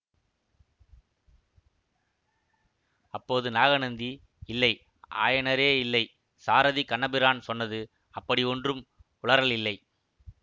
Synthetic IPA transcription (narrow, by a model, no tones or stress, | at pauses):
ɐpːoːðɯnaːɣɐnɐnd̪i | ɪlːɐɪ | ʔa̰ːjɐnɐɾeːɪlːɐɪ | saːɾɐðikɐɳːɐbɪɾaːnsɔnːɐðɯ | ɐpːɐɽiɔndrɯm | ʊɭɐɾɐɭɪlːɐɪ